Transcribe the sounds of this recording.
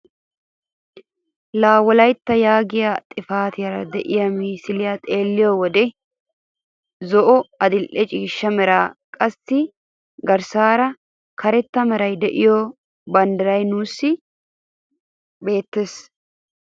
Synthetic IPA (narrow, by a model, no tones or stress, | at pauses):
laːwɔlɐjt̪ːɐjaːɡɪjat̪ʼɪfaːt̪ɪjɐɾɐ̰d̪ɛʔɪjɐmiːsɪlɪjat̪ʼeːlːɪjɔwɔd̪ɛ | zɔʔɔɐd̪ɪlʔɛt͡ʃʼiːʃːɐmɛɾaːkʼɐsːɪ | ɡɐɾsaːɾɐ | kʰɐɾɛt̪ːɐmɛɾɐjd̪ɛʔɪjɔ | bɐnd̪ɐɾɐjnuːsːɪ | be̞ːt̪ːes